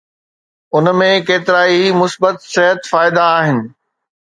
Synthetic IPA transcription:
ʊnmẽkeːt̪ɪɾaːimʊsbət̪sɪɦət̪faːɪd̪aːɦɪnɪ̆

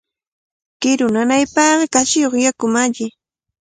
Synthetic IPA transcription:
kɪɾʊnanajpɑːɢɑkaʃɪjoχjakʊmaʎɪ

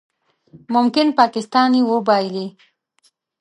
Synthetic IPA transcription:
mʊmkɪnpɑkɪst̪ɑnjewəbɑjli

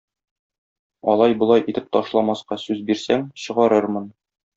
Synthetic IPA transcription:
ɒlˠɑjbŏlˠɑjʔit̪ɘp̚t̪ɒʃlˠɑmɑsqɑsʉzbiɾsæŋɕɤ̆ʁɑɾɤɾmɤn

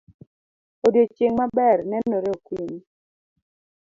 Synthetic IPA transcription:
odjot͡ʃeŋmabɛrnɛnːoɾeokwini

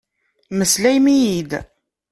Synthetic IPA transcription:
məslæjmijid̪

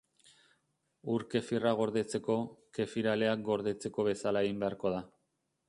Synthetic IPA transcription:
uɾke̞firaɣ̞o̞ɾðe̞t͡se̞ko̞ke̞fiɾale̞ak̚ɡo̞ɾðe̞t͡se̞ko̞βe̞salae̞ɣimbe̞aɾko̞ð̞a

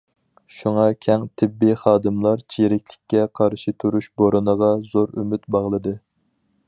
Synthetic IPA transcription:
ʃuŋɑkʲʰɛŋt̪ʰɪbːiχɑːd̪ɨmlˠɑɾt͡ʃʰiɾɪkʲʰlɪ̥kʲːɛqʰɑɾʃit̪ʰyɾuʃboɾʔɨnəʁɑzoɾymyt̪bɑʁlˠɨd̪ɨ

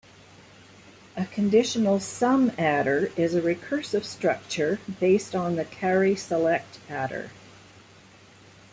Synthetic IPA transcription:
ɨkʰɨ̃ndɪʃn̩l̩ˠsʌ̃mæɾə˞ɪzɨɹɨkʰɜ˞sɨv̥stɹ̥ʌk̚t͡ʃə˞beɪstn̩ðɨkʰæɹisəlɛk̚tæɾə̰˞

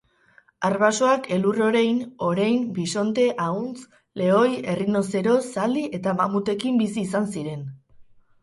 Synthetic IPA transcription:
arβaso̞ake̞luro̞ɾejno̞ɾejmbiso̞nt̪e̞ʔaunt͡s | le̞o̞je̞rino̞se̞ɾo̞sald̪iʔe̞t̪amamut̪e̞kimbisiːsansiɾe̞n

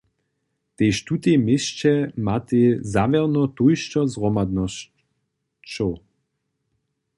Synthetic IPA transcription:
t̪ejʃt̪ut̪emɪst͡ʃɛmat̪ezavɛʁnɔt̪ojʃt͡ʃɔzʁɔmad̪nɔs | t͡ʃow

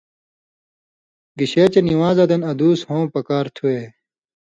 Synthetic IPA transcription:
ɡiɕeːt͡ɕeniwãːzɐd̪ɐnɐd̪uːshõːpɐkaːɾt̪ʰuweː

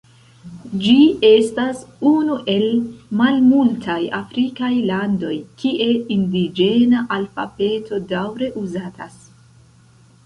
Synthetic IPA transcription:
d͡ʒie̞stasunuʔe̞lmalmultʰajafɾikajlando̞jkʰiʔe̞indid͡ʒe̞naʔalfa̰be̞tʰo̞dawɾe̞ʔuzatʰas

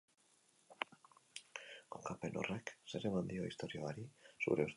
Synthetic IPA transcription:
kokape̞no̞̰rekse̞ɾe̞mand̪io̞ist̪o̞ɾioaɾisṵɾe̞uɾ

